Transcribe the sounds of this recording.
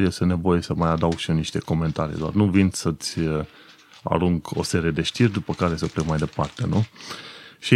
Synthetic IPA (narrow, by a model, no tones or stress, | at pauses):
jest̪ene̞vo̞jesəmajad̪awɡ̥ʃiniʃt̪e̞ko̞me̞nt̪aɾḭd̪oa̰rnuvinʲsət̪sʲ | a̰ɾuŋɡo̞̰se̞ɾije̞d̪e̞ʃt̪irʲd̪upəkaɾe̞səplekmajd̪e̞part̪e̞nu | ʃi